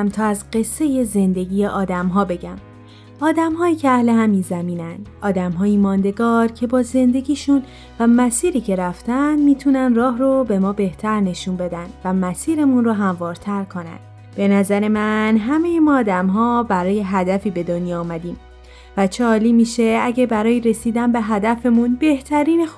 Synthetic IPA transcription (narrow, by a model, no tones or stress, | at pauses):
mt̪ʰɒːæzɢe̞sːe̞je̞ze̞nd̪e̞ɟiːje̞ʔɒːd̪æmɦɒːbe̞ɟæm | ɒːd̪æmhɒːiːcʰeæhle̞hæminzæmiːnænd̪ʔɒːd̪æmɦɒːjimɒːnd̪e̞ɡɒːɾcʰe̞bɒːze̞nd̪e̞ɟiːʃun | væmæsiːɾiːcʰe̞ɾæft̪ʰænd̪miːt̪ʰunænd̪rɒːɦrobe̞mɒːbe̞ht̪ʰæɾne̞ʃuːnbe̞d̪ænd̪̥væmæsiːɾe̞munroɦæmvɒːɾt̪ʰæɾkʰo̞næ̰nd̪̥ | b̥e̞næzæɾe̞mænɦæme̞jemɒːd̪æmɦɒːbæɾɒːje̞ɦæd̪æfiːbe̞d̪onjɒːmæd̪iːm | væt͡ʃʰeɒːliːmiːʃe̞æɟæbæɾɒːjeɾe̞siːd̪ænbe̞ɦæd̪æfe̞munbe̞ht̪ʰæɾiːnex